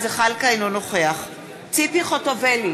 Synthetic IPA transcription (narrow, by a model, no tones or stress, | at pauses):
zeχalkainonoχeaχ | t͡sipiχotoveli